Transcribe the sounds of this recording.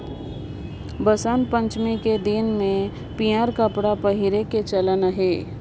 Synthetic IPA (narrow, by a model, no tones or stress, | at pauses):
bəsənpə̃ɲt͡ʃmẽked̪ɪnmẽ | piaɾkəpɽapɐɦɪɾeket͡ʃələnəɦeː